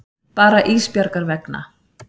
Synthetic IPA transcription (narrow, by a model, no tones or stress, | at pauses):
paːɾaʔiːspjaɾkaɾvɛkna̰